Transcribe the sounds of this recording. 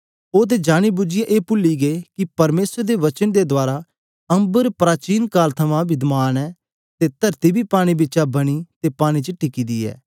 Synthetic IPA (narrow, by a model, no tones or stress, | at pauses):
oːt̪̬ed͡ʒaːɽ̃ibʊd͡ʒɪjaʔeːpʊlːiɡekipɐɾmeːsəɾd̪eʋɐt͡ʃənd̪ed̪oaːɾa | ɐ̃mbəɾpɾaːt͡ʃiːnkaːlt̪ʰɐmãbɪd̪maːnɛː | t̪et̪ɐɾt̪ibʱipaːɽ̃ibɪtːt͡ʃabɐɽ̃it̪eːpaːɽ̃it͡ʃəʈɪkiːd̪ḭːɛ̰ː